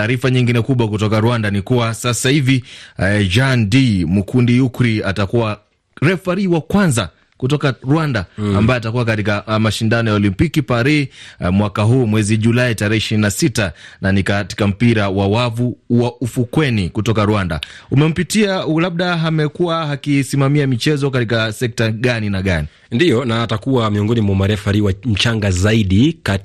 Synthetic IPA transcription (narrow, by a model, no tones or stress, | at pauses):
taːɾifaɲiŋɡinɛkuɓwakutɔkaɾwandanikuwasasahivi | d͡ʒandimukʰundiukɾiatakuwa | ɾɛfaɾiwakwanza | kutɔkaɾuwandaambajɔatakuwak̬atikamaʃindanɔjaɔlimpikipaɾimwakaɦuːmwɛziʄulaitaɾɛhɛiʃiɾinasitananikati̥kam̩piɾawawavuwaufukwɛnikutɔkaɾuanda̰umɛm̩pitialaɓ̚ɗaɦamɛkuwaɦakisimamiamit͡ʃɛzɔkatikasɛk̚taɠaninaɠani | ndijɔnaːtakuwamiɔŋɡɔnimwamaɾɛfaɾiwam̩t͡ʃaŋɡazaiɗika